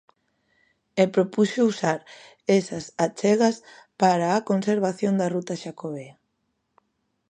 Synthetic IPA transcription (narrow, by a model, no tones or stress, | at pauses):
ɛpɾopusousaɾ | esɐsat͡ʃɛɣɐspaɾaːkonseɾβaθjond̪ɐrut̪ɐʃakoβea